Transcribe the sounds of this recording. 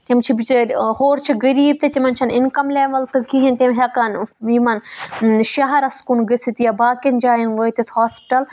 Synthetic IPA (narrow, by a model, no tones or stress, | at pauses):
t̪ʲimt͡ʃʰibit͡ʃhoːɾt͡ʃʰiɡɐɾiːb̚t̪et̪ʲimɐnt͡ʃʰɐnɪnkɐmlʲeːʋɐlt̪ɨkiɦint̪ʲimɦʲɐkanjimɐnʃɐɦɐɾɐskunɡɐsit̪jabaːkɐnd͡ʒaːjɐnʋəːt̪it̪ʰhaːspi̥ʈɐl